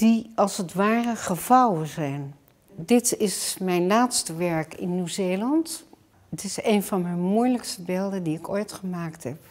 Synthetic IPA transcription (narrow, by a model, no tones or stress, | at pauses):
d̥iɑlˠsətʋaːrəχəvʌwənzɛjn | dɪtɪsmɛjnlaːtstəʋɛɹkɪ̰nːywzeːlɑnt | ətɪseːjnvɑnmɛjnmujləkstəbeːlˠdəndiɪkojtχəmaːktɦɛp̚